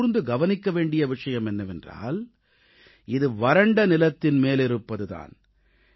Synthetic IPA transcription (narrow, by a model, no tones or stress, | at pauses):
ɾɯnd̪ɯɡɐʋɐnɪkːɐʋeːɳɖɪjɐʋɪʂɐjɐmɛnːɐʋɛndra̰ːl | ɪðɯʋɐɾɐɳɖɐnɪlɐt̪ːɪnmeːlɪɾɯpːɐðɯða̰ːn